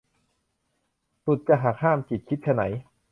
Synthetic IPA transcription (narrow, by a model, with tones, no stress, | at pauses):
su˨˩t̪̚t͡ɕa˨˧˩ɦaː˨˩k̚haː˥˩mt͡ɕi˨˩t̪̚kʰi˦˥t̪̚ʰa˧na̰˩˦j